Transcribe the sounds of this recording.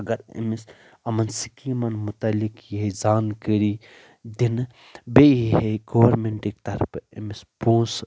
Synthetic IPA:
ɐɡɐɾɐ̰mis | ɐmɐnsikimɐnmut̪ɐlikjiɦed͡zaːnkəɾi | d̪in | beiɦeɡoʋɐɾmeɳʈikt̪ɐɾpʰḛmisbõːs

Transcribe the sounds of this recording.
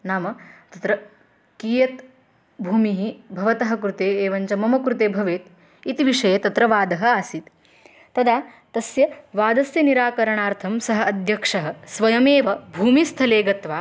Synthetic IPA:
naːmɐt̪ɐt̪ɾɐ | kiːjɐt̪ | bʱuːmiɦibʱɐʋɐt̪ɐɦɐ̆kɾut̪eːeːʋɐɲt͡ʃɐmɐmɐkɾut̪eːbʱɐʋeːt̪ | it̪iʋiʂɐjɐt̪ɐt̪ɾɐʋaːd̪ɐɦɐ̆aːsit̪ | t̪ɐd̪aː | t̪ɐsjɐʋaːd̪ɐsjɐniɾaːkɐɾɐɳaːɾt̪ʰɐmsɐɦɐ̆ɐd̪ʱjɐkʂɐɦɐ̆sʋɐjɐmeːʋɐbʱuːmist̪ʰɐleːɡɐt̪ʋaː

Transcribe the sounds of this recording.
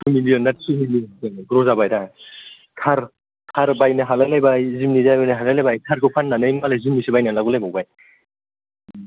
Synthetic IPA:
tʰumilijɔnːatsumilieŋɡɾɔzabajda | kʰaɾ | kʰaɾbajnaɦalajlajbajzimnidajajnaɦalajlajbajtʰaɾkʰɯpʰanːanɯjmalajzimnisibajnalaɡulajbawbaj

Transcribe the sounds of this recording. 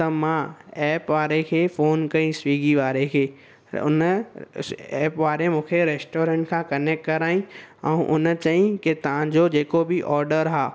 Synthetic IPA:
t̪ɐmãɛːpʋaːɾekʰeːfoːnkɐĩsʋiːɡiʋaːɾekʰeː | ʊ̰n | ɛːpʋaːɾemũːkʰeɾeːsʈoːɾẽɳʈkʰãːkɐnek̚ʈkɐɾaːĩɛ̃ũʔʊn̆t͡ɕɐɦĩkɪt̪ɐʋãd͡ʑoːd͡ʑeːkobɪʔɔːɾɖəɾɦaː

